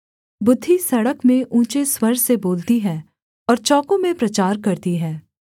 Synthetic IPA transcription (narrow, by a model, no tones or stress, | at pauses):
bʊd̪ʱːisɐɽəkmẽʔũːt͡ʃeswɐɾseboːlt̪iɦɛ̃ː | ɔːɾt͡ʃɔːkõmẽpɾɐt͡ʃaːɾkɐɾt̪iɦɛ̃ː